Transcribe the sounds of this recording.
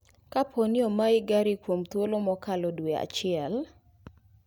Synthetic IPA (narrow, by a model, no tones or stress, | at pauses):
kapʰonɪɔmaɪɡaɾikwomt̪wolomɔkalɔdwea̰t͡ʃɪɛl